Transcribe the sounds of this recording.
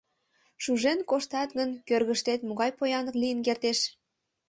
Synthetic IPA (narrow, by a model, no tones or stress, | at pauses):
ʃuʒenkoʃt̪ɑt̪ɣənkørɣəʃt̪et̪moɣɑjpojɑnəklijənk̬ert̪eʃ